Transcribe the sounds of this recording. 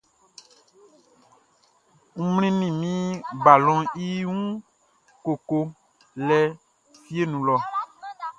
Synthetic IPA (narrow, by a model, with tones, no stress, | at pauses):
ŋ̩̃˦ml̃ĩ˦nĩ˨mĩ˦ba˨lɔ̃˦i˦ŋũ˦ | ko˨ko˦ | lɛ˨ | fi˦e˦nũ˨lɔ˨